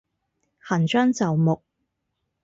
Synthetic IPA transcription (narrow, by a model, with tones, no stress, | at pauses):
hɐː˨˩nt͡ʃœː˥ŋt͡sɐ˨wmʊ˨k̚